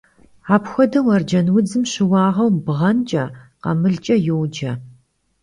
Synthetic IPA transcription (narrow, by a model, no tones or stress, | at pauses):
aːpxʷɔdɐwɐrd͡ʒɐnwʊd͡zɨmɕɪwɑːʁɐwmbʁɐnt͡ʃʼɐqɐ̰mɨɮt͡ʃʼɐjɛwd͡ʒɐ